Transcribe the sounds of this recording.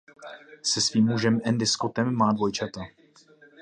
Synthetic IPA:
sɛsviːmːuʒɛmɛnd̪ɪskot̪ɛmːaːdvo̞jt͡ʃat̪a

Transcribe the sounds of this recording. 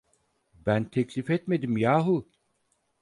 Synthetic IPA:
bænt̪ʰɛclʲifɛt̪me̞d̪imjaːɦu

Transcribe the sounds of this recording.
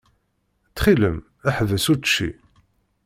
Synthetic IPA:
t͡sːχiləm | æħðəsuʃːḭ

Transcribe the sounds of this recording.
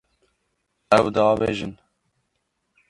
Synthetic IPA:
ɛwd̪ɑːbḛːʒɨ̰n

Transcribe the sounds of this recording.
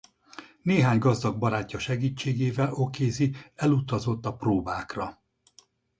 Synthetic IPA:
neːɦaːɲɡɒzd̪ɒɡ̚bɒɾaːcːɒʃɛɡiːt͡ʃːeːɡeːvɛlʔo̞keːziɛlut̪ɒzo̞t̪ːɒproːbaːkrɒ

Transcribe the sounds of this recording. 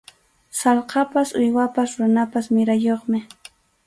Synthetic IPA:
sɑlqɑpasʊjwapasɾʊnapasmɪɾajoχmɪ

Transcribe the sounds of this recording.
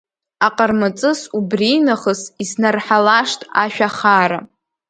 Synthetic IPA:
aqʼərmat͡sʼɨsubrinaχəsisnarħalaʂtʼaʃᶣaχaɾa

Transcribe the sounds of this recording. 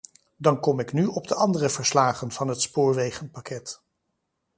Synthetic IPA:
dɑnkɔmɪknyɔb̚dəʔɑndərəvəɹslaːχənv̥ɑnɦətspʊːɹʋejχənpɑkɛt

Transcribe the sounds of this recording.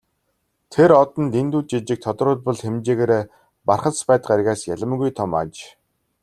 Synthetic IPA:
t̪ʰeɾɔt̪ɞ̆nt̪ent̪uːt̪t͡ɕit͡ɕɪ̆k̚t̪ʰɔt̪rʊːt̪̚pɔ̆ɮxemt͡ɕeːɣeːɾeː | parχə̆spæːt̪ə̆qarɣaːsjæɮə̆mɣujt̪ʰɔma̰t͡ɕ

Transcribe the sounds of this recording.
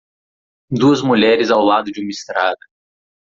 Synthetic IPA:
d̪uɐzmuʎɛɾɪzawlad̪ʊd͡ʒɪũmɐist̪ɾad̪ɐ

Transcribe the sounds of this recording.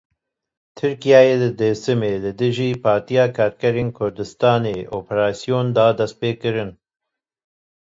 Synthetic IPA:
t̪ʰɨɾkijɑːjeːd̪ɨd̪eːsɨmeːlɨd̪ɨʒiːpʰɑːɾt̪ijɑːkʰɑːɾkɛɾeːnkʰʊɾd̪ɨst̪ɑːneːʔoːpʰɛɾɑːsijoːnd̪ɑːd̪ɛst̪̚peːkɨɾɨn

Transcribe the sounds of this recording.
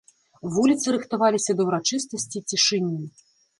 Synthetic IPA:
vulʲit̪sɨɾɨxt̪avalʲisʲɐd̪ɐwɾat͡ʂɨst̪ɐsʲt͡sʲit͡sʲiʂɨnʲːi

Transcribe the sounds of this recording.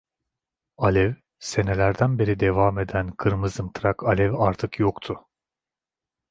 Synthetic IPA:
alʲɛv | se̞ne̞lʲæɾd̪ænbeɾid̪e̞vaːme̞d̪ænkʰɯɾmɯzɯmt̪ʰɾakʰalʲɛvaɾt̪ʰɯkjokt̪ʰʊ

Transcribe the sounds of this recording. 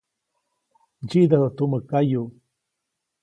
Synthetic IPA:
d͡ʒid̪aðat̪uməkaju

